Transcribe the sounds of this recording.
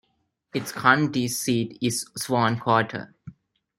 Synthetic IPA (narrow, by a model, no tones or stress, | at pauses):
ɪʈskʰãɳʈisiːʈɪzsʋɔ̃ːnkʰwɔːʈʰə̰